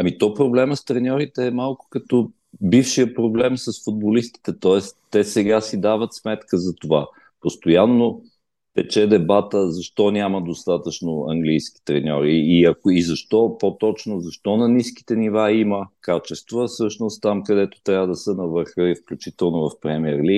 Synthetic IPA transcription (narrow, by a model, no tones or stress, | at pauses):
ɐmit̪ɔpɾoblɛməst̪ɾɛnʲɔɾit̪ɛːmalˠkʊ̥kɐt̪o | bifʃiəpɾoblɛmsəsfʊd̪̚bolist̪i̥t̪ɛt̪ɔɛsɛsɛɡasid̪avət̪smɛt̪kəzɐt̪ova | post̪ojanːo | pɛt͡ʃɛd̪ɛbat̪əzɐʃt̪ɔnʲaməd̪ost̪at̪ət͡ʃnoɐ̰ŋɡlijski̥t̪ɾɛnʲɔ̰ɾiːɐkoizɐʃt̪ɔpot̪ɔt͡ʃnozɐʃt̪ɔnɐniski̥t̪ɛnivaiməkat͡ʃɛst̪vəfsɤʃnost̪t̪ːamkɐd̪ɛt̪o̥t̪ɾʲjavəd̪ɐsənɐvɤɾxəifklʲut͡ʃit̪ɛlˠnovɐfpɾɛmiɛɾli